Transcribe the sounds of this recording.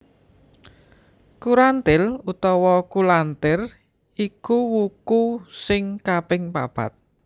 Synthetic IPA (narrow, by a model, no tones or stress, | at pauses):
kuɾant̪ɪlut̪ɔwɔkulant̪ɪr | ikuwukusɪŋkabɪŋpab̥a̰t̪̚